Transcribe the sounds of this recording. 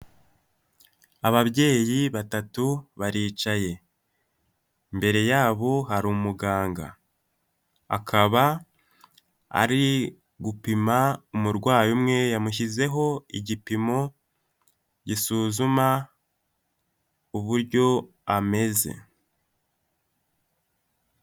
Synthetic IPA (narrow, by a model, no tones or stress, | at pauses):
aβaβɟe̞ːjiβatatuβaɾiːt͡ʃaje̞ | mbe̞ɾe̞jaːβo̞ɦaɾumuɡaːŋɡa̰ | a̰kʰaβa | a̰ɾi | ɡupimaumuɾɡwaːjumŋejamuç̬ize̞ɦo̞iɟipimo̞ | ɟisuzuma | uβuɾɟo̞ | ame̞ze̞̰